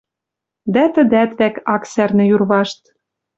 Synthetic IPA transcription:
d̪æt̪əd̪æt̪βækɑksærnɘ̆jurβɑʃt̪

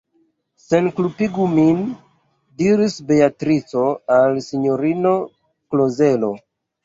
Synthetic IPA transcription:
se̞nklupiɡumin | diɾisbe̞atɾit͡soalsiɲoɾino̞ | kloze̞lo̞

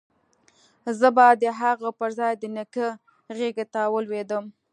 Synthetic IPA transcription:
zəbad̪əɦaɣapəɾzɑjd̪ənəkə | ɣeɡet̪awəlwed̪əm

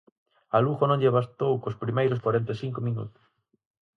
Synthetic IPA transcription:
aluɣonõŋʎeβast̪owkospɾimejɾʊskwaɾent̪esiŋkomĩnṵt̪ʊ̥s

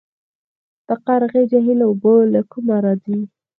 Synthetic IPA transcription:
t̪aqaɾɣed͡ʒaɦilaobolakumaɾɑd͡zi

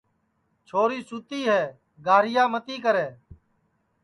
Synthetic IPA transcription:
t͡ʃʰoːɾiːsʊt̪iːɦɛː | ɡaːɾɪjaːmət̪iːkəɾeː

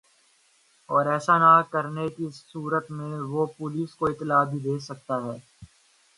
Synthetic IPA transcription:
ɔːɾɛːsanakəɾnekiuːɾət̪mẽʋopʊliːskoɪt̪ːɪlaːbʱid̪eːsɐk̚t̪aɦɛː

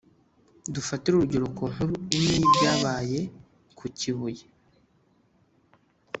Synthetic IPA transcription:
dufatiɾuɾuɟo̞ɾo̞kon̥huɾuinibɟaːβaːje̞ | kʰuciβuje

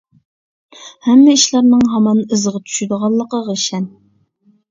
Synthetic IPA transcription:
hɛmːɪiʃlˠɑɾnɨŋɦɑmɑnɨzʁɑt͡ʃ̪ʰy̥ʃyd̪əʁɑlˠːəqəʁəʃɛn

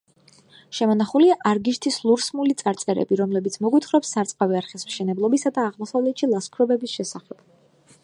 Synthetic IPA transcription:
ʃɛmɔnaχuliaʔaɾɡiʃt̪ʰislˠuɾsmulit̪sʼaɾt̪sʼɛɾɛ̰biɾɔmlɛbit̪sʰmɔɡwit̪ʰχɾɔpsːaɾt̪sʼqʼaviaɾχɛsmʃɛnɛblˠɔbisad̪aːʁmɔsavlɛt̪ʃilˠaskʰɾɔbɛbisʃɛsaχɛb̥

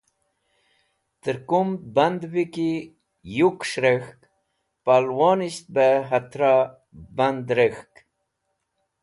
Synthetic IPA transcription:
t̪əɾkumband̪viki | jukʂɾexk | palwoniɕt̪̚beɦat̪ɾa | band̪ɾexk

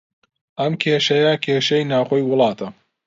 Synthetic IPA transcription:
ʔɐmkʰeːʃɐjɐkʲʰeːʃɐjnaːwxoːjwʊlˠɑːt̪ʰɐ

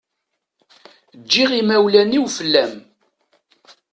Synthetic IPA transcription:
d͡ʒːiʁimæwlæniwfəlːæm

